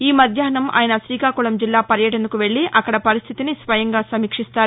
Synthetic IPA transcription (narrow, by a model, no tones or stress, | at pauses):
iːmɐd̪ʱjaːɐnɐmʔa̰ːjɐnɐsɾiːkaːkuɭɐmd͡ʒilːaːpɐɾjɐʈ̬end̪ukuʋe̞ɭːiʔʔɐkːɐɽɐpɐɾist̪ʰit̪inisʋɐjɐŋɡaːsɐmiːkʂist̪aːɾ